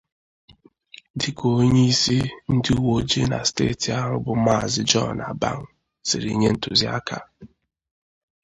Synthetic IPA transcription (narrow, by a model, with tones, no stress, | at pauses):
dɪ˨ko˨˦ɲe˦i˦si˦n̩˦dɪ˦u˦wo˦d͡ʒe˦na̰˨stḛː˦˨ti˨a˦ɦʊ˦bʊ˦ma˦˨zɪ˦d͡ʒɔ˦˨na̰˨ba̰˦ŋ̩˨ | sɪ˨ɾḭ˨ɲe˦n̩˦tʊ˨zi˦a̰˦kʰa˨